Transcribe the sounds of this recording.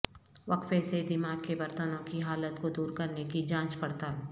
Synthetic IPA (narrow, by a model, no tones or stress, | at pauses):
ʋɐkfesed̪ɪmaːɡ̚kebɐɾt̪ənõkiɦaːlət̪kod̪uːɾkɐɾnekid͡ʒãːt͡ʃpɐɽt̪al